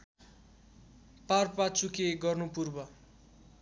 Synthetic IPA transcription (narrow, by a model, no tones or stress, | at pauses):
parpat͡sukeɡʌrnupurbʌ